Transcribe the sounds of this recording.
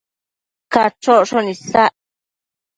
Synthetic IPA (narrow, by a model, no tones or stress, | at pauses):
kat͡ʃoʔʂonĩsaʔ